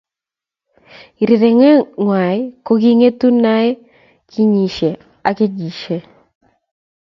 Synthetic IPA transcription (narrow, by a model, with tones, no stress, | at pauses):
i˨ɾi˨ɾe˨ŋɛ˦ŋwa˨jko˦ɡi˦ŋe˦t̪u˦na˦ɛ˦ | kʰi˦ɲi˨ʃe˨ | a˨ke˦d͡ʒi˨ʃe˨